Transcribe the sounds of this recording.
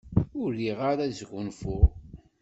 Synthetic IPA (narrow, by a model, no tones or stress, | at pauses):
ʊliʁaɾæzɡʊnfʊʁ